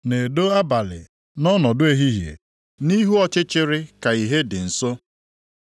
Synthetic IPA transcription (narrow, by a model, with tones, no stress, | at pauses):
ne˨do˦a˦ba˨lɪ̰˨ | nɔ˦nɔ˨dʊ˦e˦ɦi˦ɦjḛ˨ | ni˦ɦu˦ɔ˦t͡ʃɪ˦t͡ʃɪ˦ɾɪ˦ka˨i˨ɦe˦dɪ˨n̩˨so˦